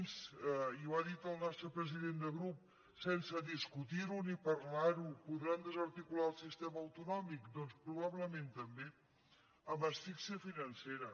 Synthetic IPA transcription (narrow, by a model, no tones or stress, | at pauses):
nsiuaðit̪əlˠnast̪ɾəpɾəziðend̪əɣɾup̚ | sɛnsəðiskut̪iɾunipəɾlaɾupuðɾand̪əzəɾt̪ikulaəlˠsist̪ɛməːwt̪unɔmikd̪ɔnspɾuβ̞aβləmẽnt̪əmbe | əmbəsfiksiəfinənseɾə